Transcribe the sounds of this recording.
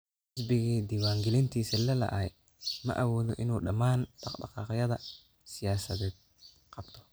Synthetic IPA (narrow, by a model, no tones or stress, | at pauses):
ɪsbɪɣɛːd̪ɪwaːŋɡɪlɪnt̪ʰiːsɐlɐlɐ̰ʔɐɛ̰ | mɐ̰ʔɐwɔːðɔʔɪnuːɗɐmaːnɖɑɖɑ̰qɑːqjɐðɐ | sɪjaːsɐðɛːd̪̚ | qɑbt̪ʰɔ̥